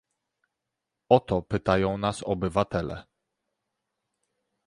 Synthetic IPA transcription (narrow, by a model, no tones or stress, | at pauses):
ɔt̪ɔpɘt̪ajɔ̃w̃nasɔbɘvat̪ɛlɛ̰